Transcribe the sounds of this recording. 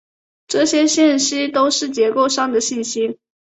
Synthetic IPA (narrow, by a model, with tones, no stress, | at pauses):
ʈ͡ʂɤ˥˩ɕjɛ˥ɕjɛ˥˩nɕi˥t̪o˥ʊʂɻ̩˥˩t͡ɕjɛ˧˥ko˥˩ʊʂɑ˥ŋd̪ə˨ɕi˥˩nɕi˥